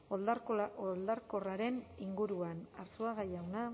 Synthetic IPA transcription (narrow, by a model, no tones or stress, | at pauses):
olold̪aɾko̞raɾe̞niŋɡuɾuanaɾsuaɣajawna